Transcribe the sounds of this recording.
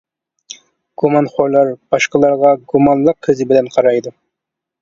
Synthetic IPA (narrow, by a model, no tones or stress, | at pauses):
ɡ̥umɑnχoɾlˠɑɾb̥ɑʃqəlˠɑɾʁɑɡumɑnlˠəqʰːəzɪbɪlɛnqʰɑɾɑjd̪u